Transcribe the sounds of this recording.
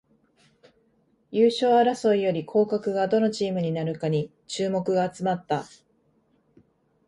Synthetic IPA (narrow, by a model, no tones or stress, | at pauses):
jɯːɕo̞ːaɾaso̞ijo̞ɾʲikʰo̞ːkakɯ̟ɡad̪o̞no̞t͡ɕiːmɯ̟ɲ̟inaɾɯ̟kaɲ̟i | t͡ɕɨːmo̞kɯ̟ɡaːt͡sɨmat̪ːa